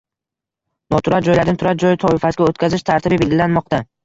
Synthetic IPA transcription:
nɒt̪ʰʊɾat̪̚d͡ʒɒjlaɾnɪt̪ʰʊɾat̪̚d͡ʒɒjɪt̪ʰɒɪfasɡʲaot̪kʲazɪʃt̪ʰaɾt̪ɪbɪbe̞lʲɡʲɪlanmɒq̚t̪a

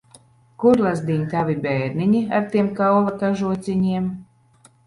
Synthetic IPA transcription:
kuɾlˠazd̪iɲt̪avibɛjɾniɲiaɾt̪iɛmkawvakaʒuɔt̪sʲiɲiɛm

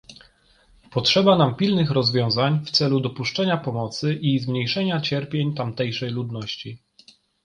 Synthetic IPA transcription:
pɔtʂɛbanampʲilnɘxɾɔzvʲjɔ̃w̃zaɲft̪sɛlud̪ɔpuʂt͡ʂɛɲapɔmɔt̪sɘʔizmɲejʂɛɲat͡ɕɛɾpʲjeɲt̪amt̪ɛjʂɛjlud̪nɔɕt͡ɕi

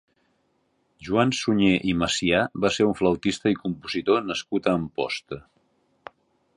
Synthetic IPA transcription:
ʒuansuɲeʔiməsiaβaseɾuɱfləwt̪ist̪əikumpuzit̪onəskut̪əːmpɔ̰st̪ə

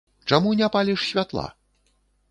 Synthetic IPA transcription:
t͡ʂamunʲɛpalʲiʂsʲvʲat̪lˠa̰

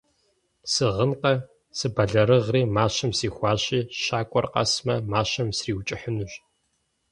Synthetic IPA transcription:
sɨʁənqɐ | sɨbɐɮɐɾɨʁriːmaːɕɐmsiːxʷɑːɕiːɕaːkʷʼɔrqɐ̰smɐmaːɕɐmsriːwt͡ʃʼɪħənuɕ

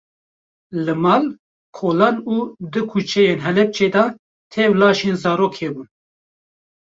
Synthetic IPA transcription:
lɨmɑːl | kʰoːlɑːnuːd̪ɨkʰut͡ʃʰɛjeːnɦɛlɛp̚t͡ʃʰeːd̪ɑː | t̪ʰɛwlɑːʃeːnzɑːɾoːkʰeːbun

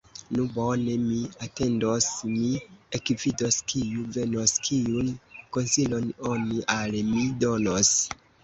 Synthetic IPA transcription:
nubo̞ne̞miate̞ndosmiekvido̞skʰijuve̞noskʰiunko̞nsilo̞no̞niʔalmido̞nos

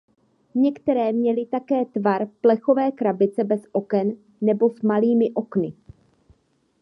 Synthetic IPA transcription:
ɲɛkt̪ɛɾɛːmɲɛlɪt̪akɛːt̪vaɾplɛxo̞vɛːkɾabɪt͡sɛbɛsʔo̞kɛnː | ɛbo̞smaliːmɪʔo̞knɪ

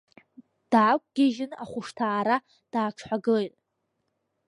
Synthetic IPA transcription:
d̥aːkʷʼɡ̥ʲɪʒɪnaχʷʊʂtʰaːɾa | d̥aːʈ͡ʂʰħʷaɡɨlejtʼ

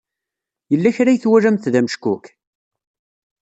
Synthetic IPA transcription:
jəlːæçɾæjθwæɾæmθðæməʃkʊk

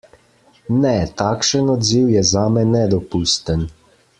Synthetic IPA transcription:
nɛt̪aːkʃənɔd̪ziwjɛzaːmɛnɛd̪ɔpust̪ən

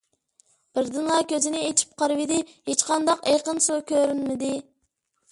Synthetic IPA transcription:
b̥ɪɾd̪ɨnlˠɑkʲʰøzɪnɪet͡ʃʰi̥p̚qʰɑɾɨvɪd̪ɪhet͡ʃqɑnd̪ɑqeqənsukʲʰøɾynmɪd̪ɪ

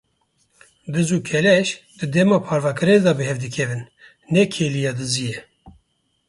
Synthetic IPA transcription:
d̪ɨzuːkʰɛlɛʃ | d̪ɨd̪ɛmɑːpʰɑːɾvɑːkʰɨɾed̪ɑːbɨɦɛvd̪ɨkʰɛvɨnː | ɛkʰeːlijɑːd̪ɨzijɛ

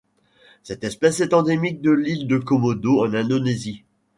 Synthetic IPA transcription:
sɛt̪ɛspɛsɛt̪ɑ̃d̪emik̚d̪əlild̪əkɔmɔd̪oɑ̃nɛ̃d̪onezi

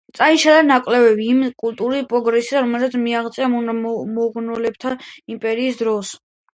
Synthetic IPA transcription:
t̪sʼaiʃalanakʼlɛbɛbiːmkʼult̪ʼuɾispʼɾɔɡɾɛsiaɾɔmɛlˠzat̪sʰmiaʁt̪sʼɛamunmɔɡnɔlɛb̚t̪ʰaimpʼɛɾiːsd̪ɾɔs

